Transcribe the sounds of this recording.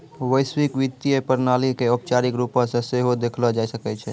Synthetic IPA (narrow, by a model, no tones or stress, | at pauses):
ʋəjswikʋit̪iepəɾnalikeɔp̚t͡ʃaɾikɾupə̃sẽseɦod̪ekʰlɔd͡ʒajsəkɛt͡ʃʰɛ